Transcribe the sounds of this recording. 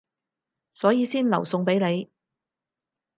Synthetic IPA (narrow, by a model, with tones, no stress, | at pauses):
sɔː˨˥jiː˨˧siː˥nlɐ˨˩wsʊ˨˧ŋpe˨˥jne˨˧j